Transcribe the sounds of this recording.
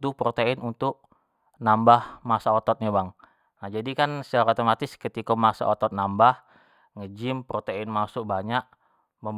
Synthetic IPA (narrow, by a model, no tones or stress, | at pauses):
t̪upɾot̪eɪnunt̪ʊk̚ | nambahmasaot̪ɔt̪̚ɲabaŋ | nahd͡ʒadikansaɾot̪omat̪ɪskət̪ikɔmasa̰ot̪ɔt̪̚nambah | ŋəd͡ʒɪmpɾot̪eɪnmasʊk̚baɲaʔ | məm